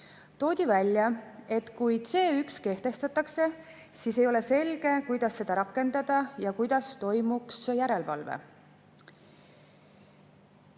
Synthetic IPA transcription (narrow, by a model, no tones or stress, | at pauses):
t̪o̞ːd̪̥ʲivælʲjɑe̞t̪kujse̞ːykske̞ht̪e̞st̪ɑt̪ːˑɑkse̞ | siːse̞jo̞le̞se̞lɡ̥e̞kujd̪̥ɑsːe̞d̪̥ɑɾɑkːˑe̞nd̪̥ɑd̪̥ɑjɑkujd̪̥ɑst̪o̞jmuksjæɾe̞lvɑ̰lvḛ